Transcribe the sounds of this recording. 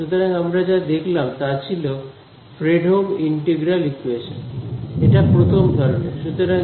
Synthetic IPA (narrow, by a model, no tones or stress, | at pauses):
ʃut̪oɾaŋamɾad͡ʑad̪ekʰlamt̪at͡ɕʰilo | fʰɾeɖʱɦoɡiɳʈeɡɾalikueʃoneʈapɾot̪ʰomd̪ʱɔɾoneʃut̪oɾa